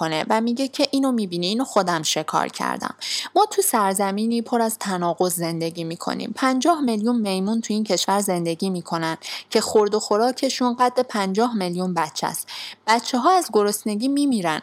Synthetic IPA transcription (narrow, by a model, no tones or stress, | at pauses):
onevæmiːɟecʰe̞ʔiːnomiːbiːniiːnoxo̞d̪æmʃe̞kʰɒ̰ːɾcʰæ̰ɾd̪æ̰mːɒːt̪ʰusæɾzæmiːniːpʰo̞ɾæzt̪ʰænɒːɣo̞zːe̞nd̪e̞ɟiːmiːkʰo̰nḭːmpʰænd͡ʒɒːhmeljunme̞jmunt̪ʰuiːncʰe̞ʃvæɾze̞nd̪e̞ɡiːmiːkʰo̞nænd̪̥cʰe̞xo̞ɾd̪o̞xo̞ɾɒːcʰe̞ʃunɢæt̪ʔepʰænd͡ʒɒːɦmeljunbæt̪t͡ʃʰːæ̰st̪b̥ætt͡ʃʰːeɦɒːæzɡo̞ɾo̞sne̞ɡiːmiːmiːɾæn